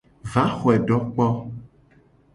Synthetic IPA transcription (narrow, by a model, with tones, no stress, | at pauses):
va˨˦xɔ˨ɛ˨ɖɔ˦k͡pɔ˦